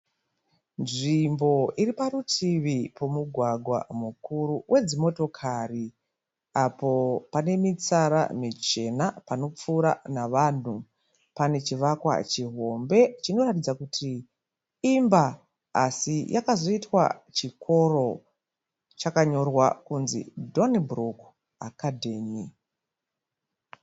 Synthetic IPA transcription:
nʐimbo̞iripaɾutʰiʋipo̞muɡʱwaɡʱwa̰mukuruwʔe̞d͡zimo̞to̞kʰari | apo̞pane̞mit͡saɾa̰mit͡ʃe̞napano̞p͡fuːɾa̰naʋan̤u | pane̞t͡ʃiʋakwa̰t͡ʃiɦo̞mbe̞t͡ʃino̞ratid͡zakutʰiː | mba | asijʔakazo̞itwa̰t͡ʃikʰo̞ro̞ | t͡ʃakaɲo̞rwakunzḭdo̞nbruk | akadʱe̞ːmi

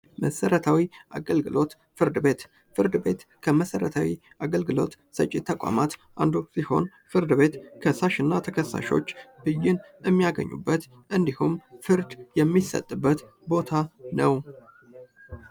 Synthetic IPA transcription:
məsəɾət̪ʰawiʔa̰ɡəlɡɨlʔo̞t̪ | fɨɾd̪ɨbe̞t̪ | fɨɾd̪ɨbe̞t̪kʰəməsəɾət̪ʰawi | aɡəlɡɨlo̞̰t̪ | sə̰t͡ʃʼɪt̪ʰːəkʷʼa̰mat̪ʔand̪usiho̞n | fɨɾd̪ɨbe̞t̪kʰəsaʃɪnːat̪ʰəkʰəsːa̰ʃo̞̰t͡ʃːb̥ɨjɪn | ɛmːijaɡə̰ɲːṵbːət̪ | ʔɨnd̪ihumfɨɾd̪jɛmːisə̰t̪ʼːɨbːət̪ | bo̞t̪ʰanəw

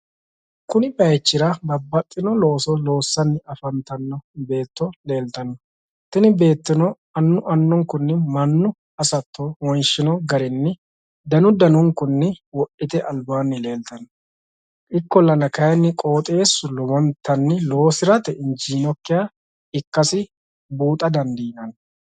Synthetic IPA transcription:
kʊnɪbɐjt͡ʃːɪɾɐbɐbːɐt̪ʼːɪnɔlo̞ːsɔlo̞ːsːɐnːɪɐfɐnt̪ɐnːɔbe̞ːt̪ːɔle̞ːlt̪ɐnːɔ | t̪ɪnɪbe̞ːt̪ːɪnɔ | ɐnːʊʔɐnːɔŋkʊnːɪmɐnːʊ | ɐsɐt̪ːɔwɔjʃɪnɔɡɐɾɛnːɪ | d̪ɐnʊd̪ɐnʊŋkʊnːɪwɔʔɪt̪ɛʔɐlbaːnːɪle̞ːlt̪ɐnːɔ̥ | ʔɪkːɔlːɐnɐkɐjɛnːɪkʼo̞ːt̪ʼe̞ːsːʊlɔwɔnt̪ʰːɐnːɪlo̞ːsɪɾɐt̪ɛɪnd͡ʒiːnɔkːɪjaː | ɪkːɐsɪ | buːt̪ʼɐd̪ɐnd̪iːnɐn

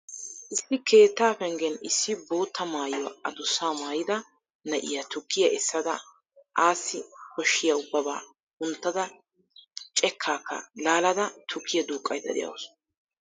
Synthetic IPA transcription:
ʔɪsːɪkʰe̞ːt̪ːaːfɛŋɡɛnɪsːɪbo̞ːt̪ːɐmaːjwɐɐd̪ʊsːaːmaːjɪd̪ɐ | nɐʔɪ̰jɐt̪ʊkːɪjɐʔɪsːɐd̪ɐ | ʔaːsːɪkɔʃːɪjɐʊbːɐba̰ː | ʊnt̪ːɐd̪ɐ | t͡ʃʼɛkʰːaːkːɐ̰laːlɐd̪ɐt̪ʰʊkːɪjɐd̪uːkʼːɐjd̪ɐd̪ɪ̰jɐ̰ws

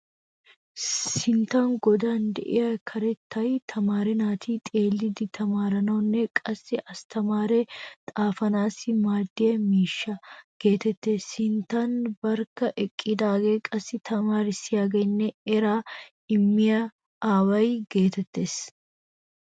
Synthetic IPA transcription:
sɪnt̪anɡɔd̪aːnd̪ɛ̰ʔɪ̰jɐkʰɐɾɛt̪ːɐjt̪ʰɐmaːɾɪnaːt̪ʰiːt̪ʼe̞ːlːɪd̪ɪt̪ʰɐmaːɾɐnɐwnːɛkʼɐsːɪʔɐst̪ʰɐmaːɾet̪ʼaːfɐnaːsɪmaːd̪ːɪjɐmiːʃːɐɡ̥e̞ːt̪ɛt̪ːe̞ːsɪnt̪ːanbɐɾkːɐʔɛkʼːid̪aːɡeːkʼɐsːɪt̪ʰɐmaːɾɪsɪjaːɡɛnːɛɛɾaː | ɪmːɪjɐ | ʔaːwɐjɡe̞ːt̪ɛt̪ːe̞ːs

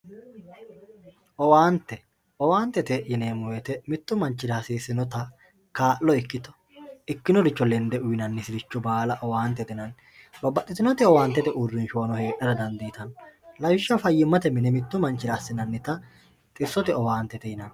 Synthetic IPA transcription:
ʔɔwaːnt̪ːɛ | ʔɔwaːnt̪ɛt̪ɛjɪneːmʊwet̪ɛmɪt̪ːʊmɐnt͡ʃːɪɾaːsiːsɪnɔt̪ɐ | kaːlːɔɪkːɪt̪ɔ̥ | ɪkːɪnɔɾɪt͡ʃːɔlɛnd̪ɛʔʊjnɐnːɪsɪdɪt͡ʃːɔbaːlɐʔɔwaːnt̪ːɛt̪ɪnɐn | bɐbːɐt̪ːɪt̪ɪnɔt̪ɪɔwaːnt̪ːɛt̪ɛʔʊrːɪnʃʊwɐnɔhe̞ːʔɐɾɐd̪ɐnd̪ijt̪ɐnlɐwɪʃːɐfɐjːɪmːɐt̪ɛmɪnɛmɪt̪ːʊmɐnt͡ʃːɪɾaːsːɪnɐnːɪt̪ɐ | t̪ʼɪsːɔt̪ɛɔwaːnt̪ːɛt̪ɛjɪnɐn

